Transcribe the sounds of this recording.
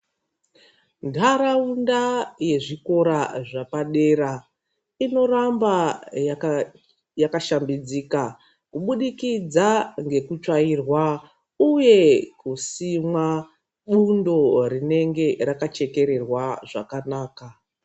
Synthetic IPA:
ndʱaɾaundaje̞ʐiko̞ɾaʐapaɗe̞ra | ino̞rambaja | jakaʃambid͡zika | kuɓuɗikid͡zaŋɡe̞kut͡ʃairwa | uje̞kusimwa | ɓundo̞rine̞ŋɡe̞rakat͡ʃe̞ke̞ɾe̞rwaʐa̰kanaːka

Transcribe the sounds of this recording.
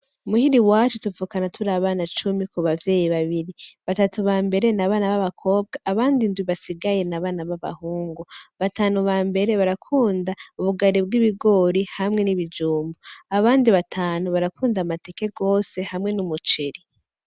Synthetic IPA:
umuhiɾiwaːt͡ʃutuvuːkanatʰuɾaβaːnat͡ʃumikuβavje̞ːjiβaβiɾiβatatuβaːmbe̞ɾe̞naβaːnaβaβakʰo̞ːb̚ɡaʔːβaːndindwiβasiɡaje̞naβaːnaβaβa̰huːŋɡuβataːnuβaːmbe̞ɾe̞βaɾakʰuːndauβuɡaɾibɡiβiɡo̞ɾihamŋe̞niβid͡ʒuːmbuaβaːndiβatʰaːnuβaɾakuːndamate̞ke̞ɡo̞ːse̞hamŋe̞numut͡ʃeɾi

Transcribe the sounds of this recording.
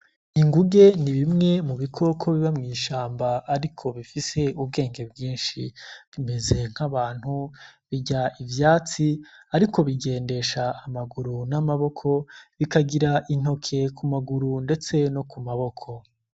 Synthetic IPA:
iŋɡuɡe̞niβimŋe̞muβikʰo̞kʰo̞βiβamŋiːʃaːmbaːɾikʰo̞βifise̞ub̚ɡe̞ːŋɡe̞bɡiːnʃiβime̞ze̞ŋ̥haβaːn̥huβiɟaivjaːt͡siaɾikʰo̞βiɡe̞ːnde̞ʃaːmaɡuɾunamaβo̞kʰo̞βikaɡiɾaʔin̥ho̞kʰe̞kʰumaɡuɾunde̞t͡se̞no̞kumaβo̞kʰo̞

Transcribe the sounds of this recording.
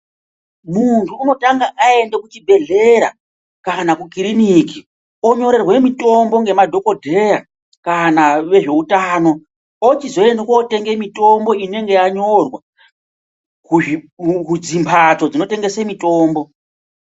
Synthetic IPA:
muntʰuːno̞taŋɡaʔae̞ndekut͡ʃibʱe̞ɮe̞ɾa̰ | kanakukiɾiniki | oɲo̞ɾe̞rwe̞mito̞mbo̞ŋɡe̞madʱo̞ko̞dʱe̞ja | kanaʋe̞ʐe̞utaːno̞ | ot͡ʃizo̞endekote̞ŋɡe̞mito̞mbo̞ine̞ŋɡe̞jaɲo̞rwa | ku | kud͡zimpʰat͡so̞d͡zino̞te̞ŋɡesemito̞ːmbo̞

